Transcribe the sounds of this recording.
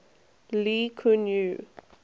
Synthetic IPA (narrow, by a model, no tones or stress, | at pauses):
likʰunju